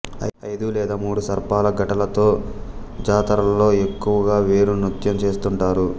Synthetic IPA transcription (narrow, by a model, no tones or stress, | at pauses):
ɐjd̪ulɛːd̪aːmuːɽusɐɾpaːlɐɡɐʈɐlɐt̪o̞ː | d͡ʒaːt̪ɐɾɐllo̞ːe̞kːuʋɐɡaːʋeːɾunut̪jɐmt͡ʃe̞ːst̪uɳʈaːɾu